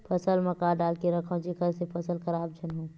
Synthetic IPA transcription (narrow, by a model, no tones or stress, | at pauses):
pʰəsəlməkaːɖaːlkeɾəkʰãd͡ʒikəɾsepʰəsəlxəɾaːbd͡ʒʰənɦõː